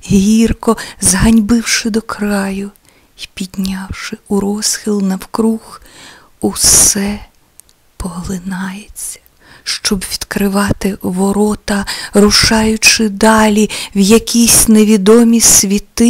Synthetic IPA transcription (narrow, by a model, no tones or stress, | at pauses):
ɦirkɔzɦɐnʲbɪwʃɪd̪ɔkɾɑjʊ | ipʲid̪ʲnʲɑwʃɪuɾɔsxʲilˠnɐwkɾux | ussɛ | pɔɦlˠɪnɑjet͡sʲːɐ̥ | ʃt͡ʃɔbʋʲid̪̥kɾɪʋɑt̪ɪʋɔɾɔt̪ɐrʊʃɑjʊt͡ʃɪd̪ɑlʲiwjɐkʲisʲneʋʲid̪ɔmʲisʋʲit̪